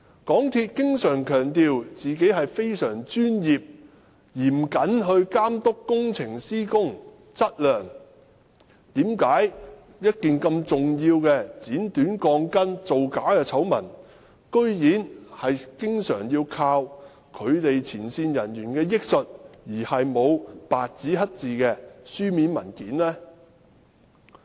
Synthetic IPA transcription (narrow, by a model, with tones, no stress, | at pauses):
kɔː˨˥ŋt̪ʰi˧t̚kɪ˥ŋsœː˨˩ŋkʰœː˨˩ŋt̪iː˨wt͡siː˨ke˨˥jɦɐ˨jfe˥jsœː˨˩ŋt͡ʃyː˥njiː˨p̚ | jiː˨˩m̩˨˩kɐ˨˥nɦɵ˧ɥkaː˥mt̪ʊ˥kːʊ˥ŋt͡sʰɪ˨˩ŋsiː˥kʊ˥ŋ | t͡sɐ˥t̚lœː˨ŋ | t̪iː˨˥mkaː˨˥j | jɐ˥t̚kiː˨nkɐ˧mt͡sʊ˨ŋjiː˧wkɛː˧t͡siː˨˥nt̪yː˨˥nkɔː˧ŋkɐ˥nt͡so˨wkaː˨˥kɛː˧t͡sʰɐ˨˥wmɐ̰˨˩n | kɵ˥ɥjiː˨˥nhɐ˨jkɪ˥ŋsœː˨˩ŋjiː˧wkʰaː˧w | kʰɵ˨˧ɥt̪e˨jt͡sʰiː˨˩nsiː˧njɐ˨˩njyː˨˩nkɛː˧jɪ˥k̚sɵ˨t̚jiː˨˩hɐ˨jmo˨˧wpaː˨t̚t͡siː˨˥ɦɐ˥t̚t͡siː˨kɛː˧syː˥miː˨˥nmɐ̰˨˩nkiː˨˥nlɛː˥